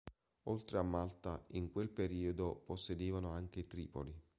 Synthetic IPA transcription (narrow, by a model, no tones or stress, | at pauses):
olt̪ɾeamːalt̪a̰iŋkwelpeɾiːod̪oposːed̪eːvanoaŋk̟eit̪ɾḭːpoli